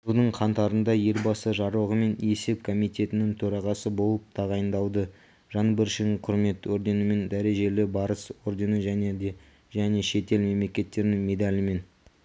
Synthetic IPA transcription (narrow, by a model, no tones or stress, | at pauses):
bʊlˠd̪əɴqʰɑnt̪ɑɾənd̪ɑje̞lbɑsəʒɑɾuwʁəme̞ne̞se̞p̚kʰo̞mijt̪ʲe̞t̪ɪnɪŋt̪ʰɵɾɑʁɑsəbo̞lˠəp̚t̪ʰɑʁɑjənd̪ɑw̪ˠd̪ə | ʒɑnbɪɾʃɪd̪ɪŋqʰʊɾme̞t̪oɾd̪e̞nəme̞nd̪æɾe̞ʒe̞lɪbɑɾəso̞ɾd̪e̞nəʒæned̪e | ʒæne̞ʃe̞t̪e̞lme̞mle̞kʲe̞t̪ːe̞ɾɪnɪŋme̞d̪alʲɪme̞n